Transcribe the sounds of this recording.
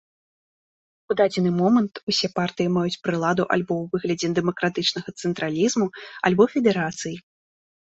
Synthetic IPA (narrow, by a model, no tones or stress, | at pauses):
ud̪ad͡zʲɛnɨmɔmɐnt̪usʲɛpart̪ɨjimajut͡sʲpɾɨlˠad̪uʔa̰lʲbɔwvɨɣlʲɐd͡zʲɛd̪ɛmɐkɾat̪ɨt͡ʂnɐɣɐt̪sɛnt̪ɾalʲizmua̰lʲbɔfʲɛd̪ɛɾat̪sɨji